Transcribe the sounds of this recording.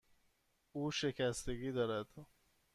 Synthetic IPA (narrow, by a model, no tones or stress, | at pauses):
uːʃe̞cʰæst̪e̞ɡiːd̪ɒːɾæd̪̥